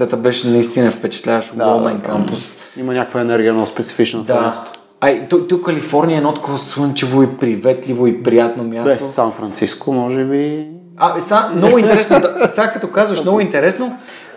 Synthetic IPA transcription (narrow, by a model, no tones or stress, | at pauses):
sɛt̪əbɛʃɛnɐist̪inəɛfpɛt͡ʃɛ̥t̪lʲavɐʃoɡolmɛ̰nkampʊs | imɐnʲakəkvəɛnɛɾɡʲiənɔspɛt̪si̥fit͡ʃnotd̪ast̪o̥ | ɐit̪ɔt̪ukːɐlifɔɾnijəɛnɔt̪kovosunt͡ʃivoipɾivɛt̪livoipɾijat̪nomjasɛsosanfɾɐnt̪siskomɔʒɛbi | asamnɔɡʊint̪ɛɾɛsnod̪saɡkɐt̪ɔkazvɐʃnɔɡʊint̪ɛɾɛsno